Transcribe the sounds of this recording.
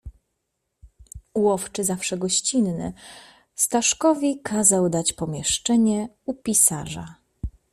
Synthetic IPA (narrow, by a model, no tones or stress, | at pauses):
wɔft͡ʂɘzafʂɛɡɔɕt͡ɕinːɘ̰ | st̪aʂkɔvʲikʰazawd̪at͡ɕpɔmʲjɛʂt͡ʂɛɲɛ | upʲisaʐa̰